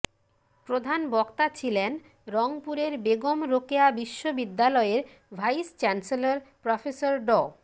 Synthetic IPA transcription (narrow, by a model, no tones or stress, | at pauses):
pɾod̪ʱanbɔkt̪at͡ɕʰilen | ɾɔŋpuɾeɾbeɡomɾokeabiʃːobid̪ːalɔeɾ | bʱajst͡ɕɛnselaɾpɾɔfʰesoɾɖɔ